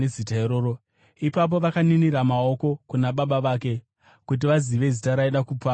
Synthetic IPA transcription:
ezitaeɾoːɾo | ipap̬o̞ʋakaniniɾamao̞ko̞kunaɓaɓaʋaːke̞ | kut̬iʋaziʋe̞zitaɾaiɗakuːpa

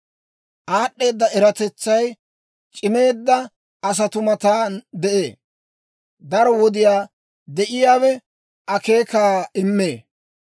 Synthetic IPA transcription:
ʔaːɗːe̞ːd̪ːɐɛɾɐt̪ɛt͡sːɐj | t͡ʃʼɪme̞ːd̪ːɐ | ɐs̬ɐt̪ʊmɐt̪aːd̪ɛʔe̞ː | d̪ɐɾɔwɔd̪ɪjaː | d̪ɛʔɪjaːwɛ | ʔɐke̞ːkaːɪmːeː

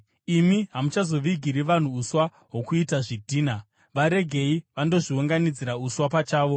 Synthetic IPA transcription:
imiɦamut͡ʃazo̞ʋiɡʱiɾiʋan̤uːswa | ɦwo̞kuitaʐidʱiːna | ʋaɾe̞ɡʱe̞iʋando̞ʐiuŋɡanid͡ziɾauswapat͡ʃaːʋo̞

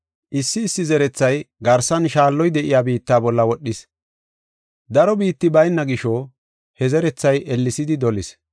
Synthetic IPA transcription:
ʔɪsːɪːsːɪzɛɾɛt͡sːɐjɡɐɾsɐnʃaːlːɔjd̪ɛʔɪjaːbiːt̪ːaːbɔlːɐwɔɗːɪs | d̪ɐɾɔbiːt̪ːɪbɐjnːɐɡɪʃɔ | hɛzɛɾɛt͡sːɐjʔɛlːɪsɪd̪ɪd̪ɔlɪs

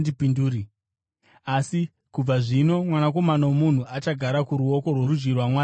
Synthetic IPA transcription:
ndipinduːɾi | asi | kub͡vaʐino̞mwanako̞manawomun̤uʔat͡ʃaɡʱaɾakuɾuo̞ko̞rworud͡ʒɡirwamwaː

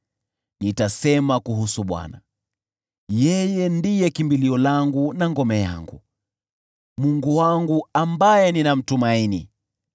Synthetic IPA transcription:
nitasɛmakuɦusuɓwa̰na | jɛjɛndijɛkimbiliɔlaŋɡunaŋɡɔmɛja̰ŋɡṵ | muŋɡuwaŋɡuambajɛninam̩tumainḭ

